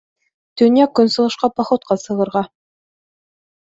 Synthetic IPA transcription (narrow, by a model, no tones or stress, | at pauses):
t̪ɵ̆njækɵ̆nsɤ̆lˠɤ̆ʃqɑpɑχŏt̪̚qɑsɤ̆ʁɤ̆ɾʁɑ